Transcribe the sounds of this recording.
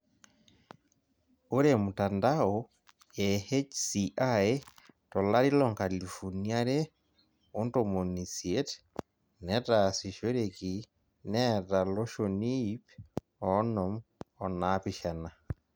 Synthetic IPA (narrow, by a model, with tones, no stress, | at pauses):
o˦ɾemu˨tandao | e˨he˦t͡ʃsiʔa˦etɔ˨la˦ɾi˦lɔŋka˨li˨fo˨nia˦ɾe˦ | o˦ntomo˨nisie˦t | nɛ˦tasi˨ʃo˦ɾeki | nɛ˦ta˨lo˦ʃo˨ni˦p | ɔnɔ˨mɔ˨napiʃana˨